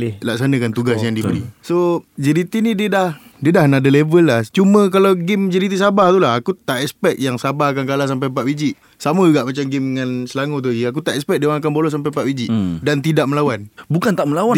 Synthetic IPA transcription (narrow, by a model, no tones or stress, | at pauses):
laksanəkant̪uɡasjaŋdibəɾḭsod͡ʒəɾit̪inidədah | diədahnaʔdəlevəlːaht͡ʃumə̃kalawɡimd͡ʒəɾit̪isabaht̪ulaɦakut̪aʔɛkspɛk̚jaŋsabahakankalas̬ampajpaʔwid͡ʒiʔ | saməɡaʔmat͡ʃamɡimŋansəlaŋut̪̬ud͡ʒiakut̪aʔɛspɛk̚dewaŋak̬anbolɔs̬ampajpaʔwid͡ʒɪʔdant̪idaʔ̚məlawanbukant̪aʔməlawa